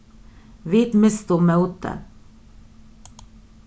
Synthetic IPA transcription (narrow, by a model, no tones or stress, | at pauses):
ʋiːt̪mɪst̪uːmeʊt̪ə̰